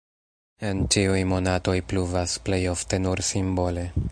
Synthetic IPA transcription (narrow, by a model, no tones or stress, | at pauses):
e̞nt͡ʃiujmo̞nato̞jpluvasple̞jo̞fte̞nuɾsimbo̞le̞